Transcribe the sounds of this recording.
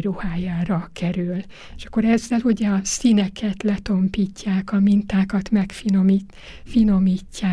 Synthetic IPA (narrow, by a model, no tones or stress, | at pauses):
ɾuhaːjaːɾɒkɛɾyl | eʃɒ̥kːoɾɛzːɛluɟɛɒsinɛkʰɛt̪lɛt̪o̞mpiːcːaːkɒmint̪aːkɒt̪mɛkfinomi | fino̞miːcːaː